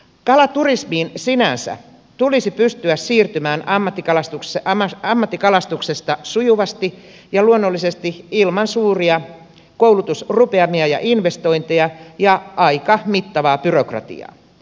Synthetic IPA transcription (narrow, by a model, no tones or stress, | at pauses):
kɑlɑt̪urismiːnsinænsæ̰ | t̪ulisipyst̪yæssiːrt̪ymæːnɑmːɑt̪ːikɑlɑst̪ukeɑmːɑt̪ːikɑlɑst̪ukse̞st̪ɑsujuʋɑst̪i | jɑluonːolːise̞st̪iilmɑnsuːriɑ | koulut̪usrupeɑmiɑjɑ̰ʔinʋe̞st̪o̞int̪eɑjɑʔɑikɑmit̪ːɑʋɑːpyrokrɑ̰t̪ḭɑ̰ː